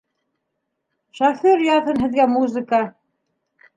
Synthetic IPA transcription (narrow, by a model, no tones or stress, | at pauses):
ʃɑfiɾjɑðɤnɦɘ̆ðɡæmuzɘ̆kɑ